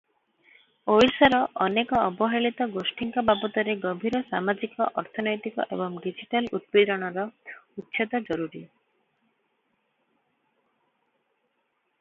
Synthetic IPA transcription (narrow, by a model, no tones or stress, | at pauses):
ojsɔɾɔʔɔnekɔɔbɔɦeɭit̪ɔɡosʈiŋkɔbabɔt̪ɔɾeɡɔbʱiɾɔsamad͡ʒikɔʔɔɾt̪ʰɔnɔjt̪ikɔ̰ʔḛbɔŋɖid͡ʒiʈalut̪̚bid̪ɔɽ̃ɔɾɔut̪ːʃʰet̪ɔd͡ʒɔɾuɾi